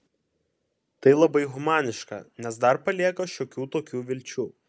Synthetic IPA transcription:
t̪ɐɪlˠɐbɐɪɣʊmɑːnʲɪʃkɐ̰nʲɛsd̪ɐɾpɐlʲiɛkɐʃʲoːkʲuːt̪oːkʲuːʋʲɪlʲt͡ʃʲuː

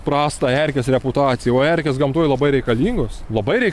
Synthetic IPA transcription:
pɾɑːst̪ɑɛɾʲkʲɛsɾʲɛpʊt̪ɑːt̪sʲɪjɛoːæɾʲkʲɛsɡɐmt̪uɔjlˠɐbɐɪɾʲɛɪkɐlʲiːŋɡʊsslˠɐbɐɪɾʲɛɪ

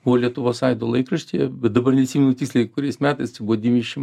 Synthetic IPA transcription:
b̥uʋoːlʲiɛt̪ʊʋoːsɐɪd̪oːlˠɐɪkɾɐʃʲt̪ʲijɛbʲɛt̪̚d̪ɐbɐɾnʲɛɪt̪sʲiːmʲɛnʊt̪ʲɪkslʲɛkkʊɾʲɛɪsmʲæːt̪ɐɪst͡ʃʲɛɪbuʋoːd̪ʲimʲiʃʲɪm

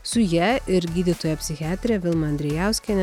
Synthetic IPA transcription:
sʊjɛɪɾɡʲiːd̪ʲɪt̪oːjɛpʲsʲɪxʲɪɑːt̪ʲɾʲɛʋʲɪlˠmɐɐnʲd̪ʲɾʲɛjæˑʊsʲkʲɛnʲɛ

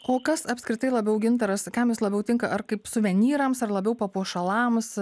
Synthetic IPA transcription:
oːkɐsɐpʲskɾʲɪt̪ɐɪlˠɐbʲɛʊɡʲɪnt̪ɐɾɐskɐmjɪslˠɐbʲɛʊt̪ʲɪŋkɐʔɐɾkɐɪpsʊʋʲɛnʲiːɾɐmsɐrlˠɐbʲɛʊpɐpuɔʃɐlˠɑms

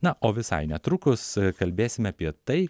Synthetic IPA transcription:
nɐʔoːʋʲɪsɐ̰ɪnʲɛt̪ɾʊkʊskɐlʲbʲeːsʲɪmʲɐpʲiɛt̪ɐɪ

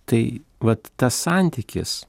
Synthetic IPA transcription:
t̪ɐɪ | ʋɐt̪ːɐssɑnʲt̪ʲɪkʲɪ̰s

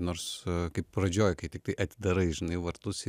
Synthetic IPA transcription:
noːɾskɐɪpprɐd͡ʒʲoːjkɐɪt̪ʲɪk̚t̪ɐɪʔɐt̪ʲɪd̪ɐɾɐɪʒʲɪnɐɪʋɐɾt̪ʊs

